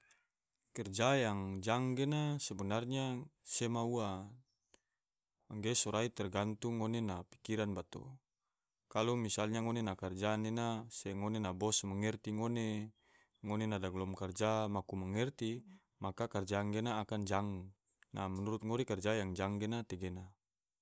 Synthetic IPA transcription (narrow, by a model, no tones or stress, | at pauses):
kɛrd͡ʒajaŋd͡ʒaŋɡenasɛbɛnarɲasɛmaua | ŋɡesɔɾait̪ɛrɡant̪uŋonenapi̥kiɾanbat̪o̰ | kalɔmisalɲaŋonenakard͡ʒanɛnasɛŋonenabɔsmaŋɛrt̪iŋone | ŋonenadaɡlɔmkard͡ʒamakumaŋɛrt̪i | makakard͡ʒaːŋɡenaːkand͡ʒaŋ | namɛnuɾut̪̚ŋoɾikard͡ʒajaŋd͡ʒaŋɡenat̪ɛɡena